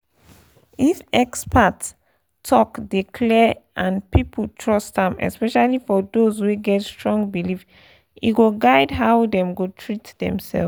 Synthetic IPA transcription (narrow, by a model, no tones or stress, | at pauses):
ifɛkspʰatsʰ | ɔkdikʰlɛʔãnpipəltʰɹɔstãmɛ̰spɛʃalifɔdozwuɡɛtstɹɔ̃ŋɡbilif | ḭɡoɡaɪdɦaʊdɛ̃mɡotʰɹitdɛ̰̃msɛ̰l